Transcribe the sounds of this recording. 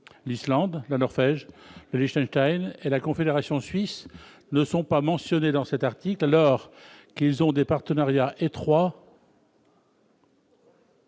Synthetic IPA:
lislɑ̃d̪lanɔʁvɛʒləliʃt̪ɛ̃nʃt̪ajnelakɔ̃fed̪eʁasjɔ̃sɥis | nəsɔ̃pamɑ̃sjɔned̪ɑ̃sɛt̪aʁt̪iklalɔʁkilzɔ̃d̪epaʁt̪ənaʁjaʔet̪χwa

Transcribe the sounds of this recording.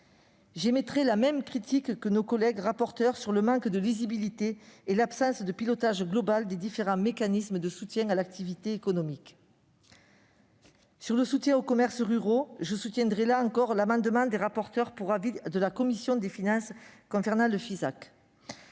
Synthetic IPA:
ʒemet̪χelamɛmkχit̪ʰikːənokɔlɛɡʁapɔʁt̪œʁsyʁləmɑ̃kd̪əlizibilit̪eːlapsɑ̃sd̪əpilɔt̪aʒɡlɔbald̪ed̪ifeʁɑ̃mekanisməd̪əsut̪jɛ̃alak̚t̪ivit̪eekɔnɔmik | syʁləsut̪jɛ̃okɔmɛʁsʁyʁoʒəsut̪jɛ̃d̪ʁɛlaɑ̃kɔʁlamɑ̃d̪əmɑ̃d̪eʁapɔʁt̪œʁpuʁavid̪əlakɔmisjɔ̃d̪efinɑ̃skɔ̃sɛʁnãləfizak

